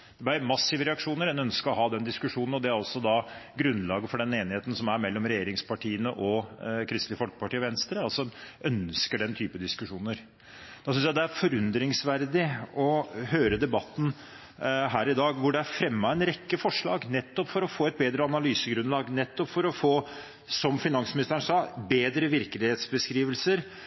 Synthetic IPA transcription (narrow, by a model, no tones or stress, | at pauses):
d̥̪ɛbæɪmɑsɪʋəɾɛɑkʂuːnəɾɛnœnskəɾɔɦɑːd̪ɛnd̪ɪskʉʂuːnnɔd̪ɛæɾɔsɔd̪ɑɡɾʉnlɑːɡəfɔɖɛneːnɪheːt̪n̩sɔmæɾmɛlːɔmɾɛjeːɾɪŋspʰɑʈʰiːənəʔɔkʰɾɪst̪lɪəfɔlkəpɑʈiːʋɛnst̪ɾəɑlsɔœnskəɖɛnt̪ʰyːpəd̪ɪskʉʂuːnəɾ | d̪̥ɑsʏnsjæɪd̪ɛæɾfɔɾʉnd̪ɾɪŋsʋæɾd̪ɪɔɦøːɾəd̪ɛbɑt̪ːn̩ | ɦæːɾɪd̪ɑːɡʋʊɖɛæɾfɾɛmːɑɛnɾɛkːəfɔʂɭɑːɡnɛt̪ːɔpfɔɾɔfoːɛt̪̚beːd̪ɾəɑnɑlyːsəɡɾʉnlɑːɡnɛt̪ːɔpfɔɾɔfoː | sɔmfɪnɑnsmɪnɪst̪əɾəɳsɑːbeːd̪ɾəʋɪɾklɪheːt̪sbəskɾiːʋəlsəɾ